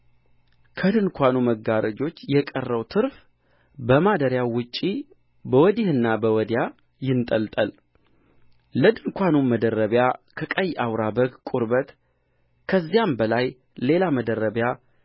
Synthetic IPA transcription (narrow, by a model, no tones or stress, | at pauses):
kʰəd̪ɨnkʰʷanuməɡaɾəd͡ʒo̞t͡ʃːjɛkʼərːəwt̪ʰɨɾf | bəmad̪əɾjawʊt͡ʃʼːi | bəwɔd̪ehɨnːabəwɔd̪ja | jɪnt̪ʼəlt̪ʼəl | ləd̪ɨnkʷʰanuməd̪ərəβjakʰəkʼəjʔawɾabəɡkʷʼuɾbət̪ | kʰəzːijambəlaj | le̞laməd̪əɾːəβja